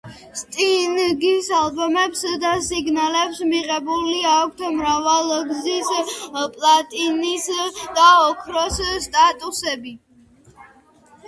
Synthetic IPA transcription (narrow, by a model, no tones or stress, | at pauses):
st̪ʼinɡisalbɔmɛpsd̪asiɡnalɛpsmiʁʼɛbuliak̚ʷʰt̪ʰmɾavalˠɡzispʼlat̪ʼinisd̪̥aɔkʰɾɔsst̪ʼat̪ʼusɛbi